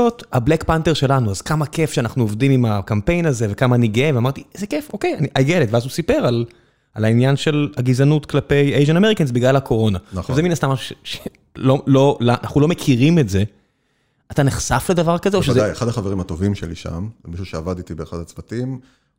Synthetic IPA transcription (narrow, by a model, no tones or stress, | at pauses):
othablekpante̞ʁʃe̞lanuazkamakefʃeanaχnuovdimimakampe̞jnaze̞ve̞kamaːniɡeveamaʁt̪iz̥ekefo̞ke̞janiʔajɡelet̪veazusipe̞ʁal | alainjanʃelaɡizanutklape̞jejʒenameikans̬biɡlalako̞ʁo̞naavzeminastamaʃu̥ʃeʃe | lolo̞laa̰naχnulo̞mekʰiʁime̞tze̞ | at̪aneχsafle̞d̪avaʁkazeoʃezajeχad̪aχaveʁimat̪o̞vimʃḛlḭʃa̰mmiʃuʃeavad̪it̪ibeːχad̪hat͡svatim